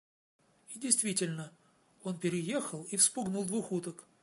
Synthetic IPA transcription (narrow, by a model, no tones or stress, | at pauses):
idʲɪjst̪vʲitʲɪlʲnə | o̞npʲɪɾʲɪjexəlˠifspʊɡnulˠd̪vuxut̪ək